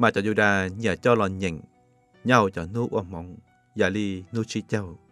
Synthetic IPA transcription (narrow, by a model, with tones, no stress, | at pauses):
maː˨˩t͡ɕɔ˧˩zu˧ɗaː˧ɲa˧˩˨t͡ɕɔ˧˦lɔ˨˩ɲɛ˨ŋ | ɲa˧wt͡ɕɔ˧˩nu˦ʔu˧ə˧˨mɔ˨˦ŋ | ja˧˩li˧nu˧˦t͡ɕi˦t͡ɕə˧˨w